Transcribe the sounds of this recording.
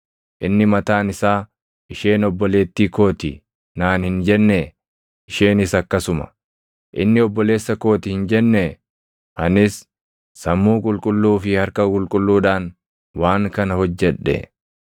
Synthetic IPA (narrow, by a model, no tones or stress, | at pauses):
ʔɪnːɪmɐt̪aːnɪsaː | ʔɪʃe̞ːnɔbːɔle̞ːt̪ːiːko̞ːt̪ɪ | naːnhɪnd͡ʒɛnːe | ʔɪʃe̞ːnɪsɐkːɐsʊmɐ̥̰ | ʔɪ̰nːɪɔbːɔle̞ːsːɐko̞ːt̪ɪhɪnd͡ʒɛnːɛ | ʔɐnɪsː | ɐmːuːkʼʊlkʼʊlːuːfɪhɐɾkɐkʼʊlkʼʊlːuːᶑaːn | waːŋkɐnɐhɔd͡ʒːɛᶑːɛ̰